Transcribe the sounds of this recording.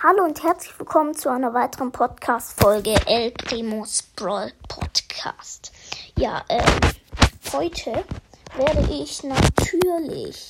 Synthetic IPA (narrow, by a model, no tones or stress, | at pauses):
haloːʊnthɛɐt͡slɪçv̥ɪlkʰɔmənt͡suʔaɪnɐvaɪtəʁənpʰɔtkʰaːstfɔlɡəʔɛlɡʁeːmosb̥ʁɔlpʰɔ̰tkʰa̰ːstja̰ːʔɛːmhɔʏtʰəveːɐɾəʔɪçnatʰyːɐlɪ̰ç